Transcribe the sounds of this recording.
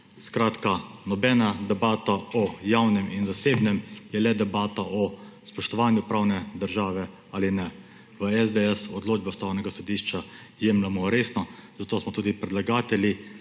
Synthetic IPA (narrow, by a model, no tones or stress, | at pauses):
skɾaːt̪kanɔbɛːnad̪ɛbaːt̪aɔjawnɛminzaseːbnɛmjɛlɛd̪ɛbaːt̪aʔɔspɔʃt̪ɔʋaːnjupɾawnɛd̪əɾʒaːʋɛ | aːlinɛ | ʋəɛzd̪ɛɛsɔd̪loːd͡ʒbast̪awnɛɡasɔd̪iːʃt͡ʃa | jemlamɔɾeːsnɔzat̪oːsmɔt̪uːd̪ipɾɛdlaɡaːt̪ɛlʲi